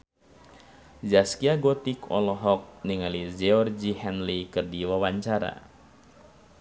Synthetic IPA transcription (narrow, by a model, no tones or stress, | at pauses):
d͡ʒaskiaɡɔt̪ikɔ̰lɔɦɔk̚niŋalid͡ʒɛɔrd͡ʒihɛnlikɨrdiwawaɲt͡ʃaɾa̰